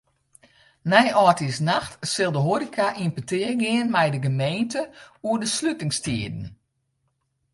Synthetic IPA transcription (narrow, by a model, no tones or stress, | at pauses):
nɛjʔɔːtisnaxtsɪlˠdəɦoɾikʰaʔimpətɪːəɡɪənmɛjdəɡəmeːntəuədəslytɪŋstiədn̩